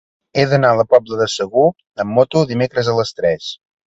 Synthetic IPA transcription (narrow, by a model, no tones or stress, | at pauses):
eðənaələpɔbləðəsəɣu | əmːɔt̪uðimekɾəzələst̪ɾɛs